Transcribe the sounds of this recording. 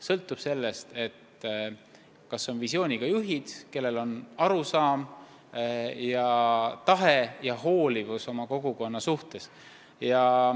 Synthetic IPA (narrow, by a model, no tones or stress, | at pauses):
sɤlt̪ːˑub̥se̞lːe̞st̪e̞t̪ː | kɑsːo̞nvisio̞ːnʲiɡ̥ɑjuɦid̪̥ke̞lːe̞lo̞nɑɾusɑːm | jɑt̪ɑɦejɑɦo̞ːlivuso̞mɑko̞ɡ̥uko̞nːɑsuht̪e̞s | jɑ